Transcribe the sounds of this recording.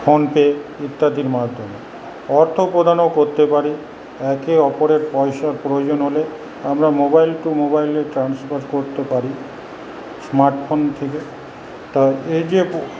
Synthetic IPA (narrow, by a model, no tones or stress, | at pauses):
fonpeeit̪ːad̪ʱiɾmad̪ʱːome | ɔɾt̪ʰopɾod̪ʱanokoɾt̪epaɾi | ɛkeɔpoɾeɾpɔeʃaɾpɾood͡ʑonɦole | amɾamobajlʈumobajleʈɾansfaɾkoɾt̪epaɾi | smaɾʈfʰont̪ʰeke | t̪aeed͡ʑe